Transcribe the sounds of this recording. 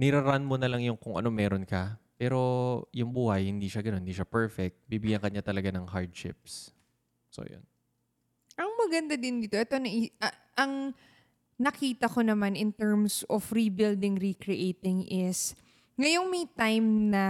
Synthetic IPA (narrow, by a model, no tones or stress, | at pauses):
nɪɾaɾanmonɐlɐŋjʊŋkʊŋʔɐ̰no̞mɛːɾonkɐpɛːɾo̞jʊŋbuːhɐjhɪnd̪iːʃaɡɐnonhɪnd̪iːʃapɛɹfɛk̚t̪̚biːbɪɡjaŋkɐɲat̪ɐlɐɡanɐŋɦaɹd̪ʃɪ̰p̚s | so̰jo̰n | ʔɐŋmɐɡɐnd̪ad̪ɪnd̪iːt̪oʔɛt̪o̞nɐʔiɐ | ʔɐŋ | nɐkiːt̪ɐko̞nɐmanʔɪnt̪ɛɹmsofɾibɪld̪ɪŋɾikɾɪʔeːt̪ɪŋʔɪs | ŋɐjo̞ŋmɐjt̪ajmnɐ